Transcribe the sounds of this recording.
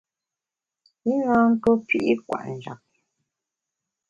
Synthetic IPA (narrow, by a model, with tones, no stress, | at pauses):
i˦ŋã˦ŋ̩˦ko˦pi˦ʔi˦kwa̰˨ʔn˨d͡ʒa̰˨k̚